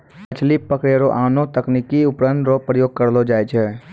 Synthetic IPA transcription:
ət͡ʃlipəkɾjaɾoʔaːnõt̪əknikiʊpɾənɾopɾəjoːɡ̚kəɾlod͡ʒaːjt͡ʃʰɛː

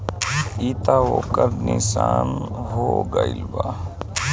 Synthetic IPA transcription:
it̪aoːkəɾnisaːnɦoɡailba

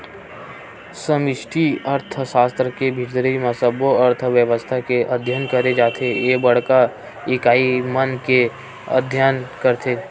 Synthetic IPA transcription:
səmɪʃʈʰiəɾt̪ʰsaːst̪ɾəkebʱɪɾd̪ɾəimasəboəɾt̪ʰʋjəʋəst̪ʰakeʔəd̪ʱjankəɾed͡ʒaːt̪ʰejeːbəɽ̤ka | ɪkaːimənke | ə̰d̪ʱjaːnkəɾt̪ʰeː

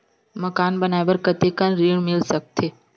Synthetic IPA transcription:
məkaːnbənajbəɾkət̪ekənɾiɳmɪlsək̚t̪ʰeː

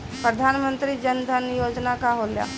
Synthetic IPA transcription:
pɾəd̪ʱanmənt̪ɾid͡ʒənd̪ʱənjod͡ʒnakaɦolja̰

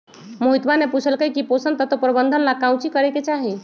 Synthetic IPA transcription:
moɦit̪baneput͡ʃʰəlkəkiposənt̪ət̪opɾəbənd̪ʱənlakãw̃t͡ʃikəɾɛket͡ʃaɦi

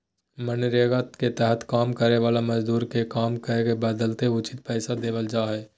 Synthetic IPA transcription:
mənɾeːɡat̪ket̪ɛɦət̪kaːmkəɾeʋaːlamɐd͡ʒd̪uːɾkekaːmkəekebəd̪əlt̪eʊt͡ʃɪ̥t̪̚pɛːsad̪eːʋəld͡ʒaːɦɛː

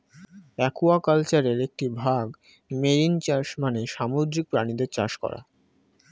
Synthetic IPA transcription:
ɛkuakalt͡ɕaɾeɾek̚ʈibʱaɡ | meɾint͡ɕaʃmaneʃamod̪ɾik̚pɾanid̪eɾt͡ɕaʃkɔ̰ɾa̰

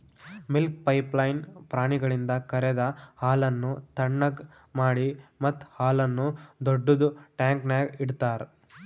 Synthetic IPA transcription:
milk̚pɐjplɐjnpɾaːɳiɡɐɭind̪ɐkɐɾɛd̪ɐhaːlɐnːut̪ɐɳːɐɡ | maːɽimɐt̪ːhaːlɐnːud̪ɔɖːud̪uʈaːŋknaːɡiɽt̪aːɾ

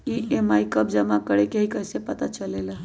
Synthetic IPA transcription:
iemajkəp̚d͡ʒəmakəɽekeɦikəjsepət̪at͡ʃəlela

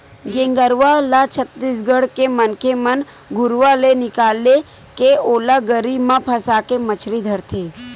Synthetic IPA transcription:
ɡẽŋɡəɾʋalat͡ʃʰət̪ːiːsɡəɽkemənkemən | ɡʊɾʋalenɪkaːle | keolaɡəɾimãpʰəsaːkemət͡ʃʰɾid̪ʱəɾt̪ʰe

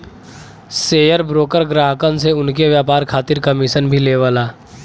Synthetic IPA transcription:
seːjəɾbɾoːkəɾɡɾaːɦkəns̬eʊnkeʋjaːpaːɾkʰaːt̪ɪɾkəmɪʃənbʱileːʋaːlaː

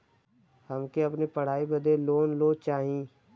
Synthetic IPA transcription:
həmkeɐpnipəɽ̤aːibəd̪ʱeloːnloːt͡ʃaːɦĩː

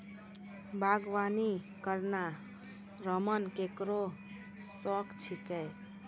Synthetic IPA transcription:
baɡʋani | kəɾna | ɾəmənkekɾo | sɔkt͡ʃʰikɛj

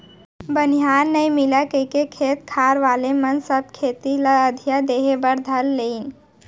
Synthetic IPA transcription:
bənijaːnːəĩmɪlakəikekʰeːt̪kʰaːɾʋaːlemənsəb̚kʰeːt̪iləəd̪ʱjad̪eːɦebəɾd̪ʱəlːein

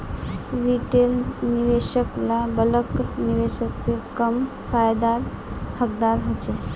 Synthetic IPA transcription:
ɾiʈelniʋeʃəklabələkniʋeʃəksẽkəm | pʰajd̪aɾ | həkd̪aɾɦot͡ʃʰɛ

